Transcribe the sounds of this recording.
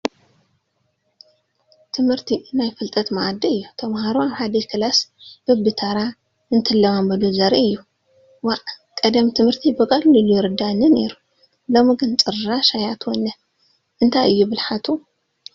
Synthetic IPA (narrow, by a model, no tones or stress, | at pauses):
t̪ʰɨmhɨɾt̪ʰinajfɨlt̪ʼɐt̪maʔad̪ɐɨjːut̪ʰɐmhaɾuaβħad̪ɐkʰɨlasb̥ɨbɨt̪ʰɐɾa | ɨnt̪ʰɨlːɐmambɐd̪uzɐɾiɨjːu | waʔkʼɐd̪ɐmt̪ʰɨmhɨɾt̪ʰibɨkʼɐllulujɪɾɨd̪anɨne̞̰ɾu | lomɨɡɨnt͡sʼɨɾɨɾaʃajat̪wɔnːɐ | ʔɨnt̪ʰajɨjːubɨlħat̪ʰu